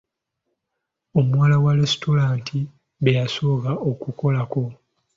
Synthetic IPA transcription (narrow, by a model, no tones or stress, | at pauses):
o̞muwaːlawaɾesto̞ɾaːntʰi | βejasokao̞kuko̞lako̞